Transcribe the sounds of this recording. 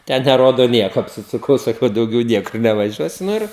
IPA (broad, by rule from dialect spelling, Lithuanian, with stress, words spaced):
ˈtʲɛn nʲɛˈroːdoː ˈnʲiɛkoː ɐpʲsʲɪsʊˈkɐʊ sɐˈkɐʊ dɐʊˈɡʲɛʊ ˈnʲiɛkʊr nʲɛʋɐˈʒʲuɔsʲʊ nʊ ˈɪr